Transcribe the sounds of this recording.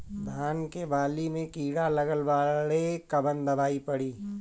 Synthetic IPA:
d̪ʱaːnkebaːlimẽkiːɽalɐɡəlʋaːlekɐbənd̪ɐbaːipɐɽiː

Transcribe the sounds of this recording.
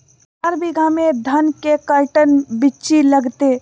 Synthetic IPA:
ɐɾbiɡʱamẽd̪ʱɐnkekɐlʈənbɪt͡ʃilɐɡt̪e

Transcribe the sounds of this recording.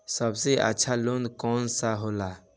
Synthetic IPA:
səbseʔə̰tːʃʰaloːnd̪kɔːnsaɦoːla

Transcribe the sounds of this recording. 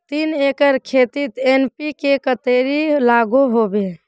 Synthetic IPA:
t̪inekəɾkʰet̪it̪enpikekət̪eɾilaɡoɦobe

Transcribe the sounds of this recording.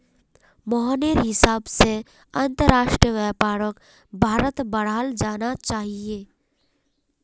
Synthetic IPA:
mɔɦaːneɾɦɪsaːbse | ə̃nt̪əɾaːʃʈɾijəʋɛːpaːɾək | bʱaːɾət̪bəɽ̤aːld͡ʒaːnat͡ʃaːɦieː

